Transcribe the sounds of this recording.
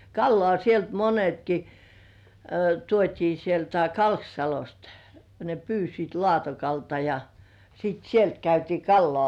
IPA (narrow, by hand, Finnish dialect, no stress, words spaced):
kɑlːŏɑˑ sielt monetki tuotʲiː sieltæ kɑlksɑlost ne pyːsit lŏɑˑtokɑltɑ jɑ sit sielt kæytiː kɑlːŏɑˑ